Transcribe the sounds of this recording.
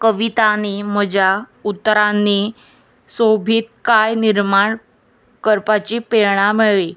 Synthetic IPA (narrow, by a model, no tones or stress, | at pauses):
kəʋit̪anem̤əd͡ʑʱjaut̪ːɾanːe | sobʱiːt̪̚kajniɾmaɳ | kəɾpat͡ɕipeɭɳamiɭe